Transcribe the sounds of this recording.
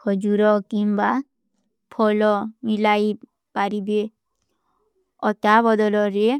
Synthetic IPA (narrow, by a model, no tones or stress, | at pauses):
kɔd͡ʒuɾɔkimba | pʰɔlɔmilaji | paɾibe | ɔt̪abɔd̪ɔlɔɾe